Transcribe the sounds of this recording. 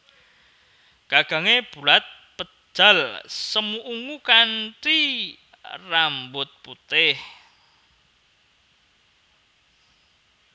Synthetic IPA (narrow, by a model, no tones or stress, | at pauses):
ɡ̥aɡ̥ä̤ŋeb̥ṳlat̪̚pə̥ʒ̥a̤lsəmuʔuŋukanʈi | rambʊt̪̚put̪ɪh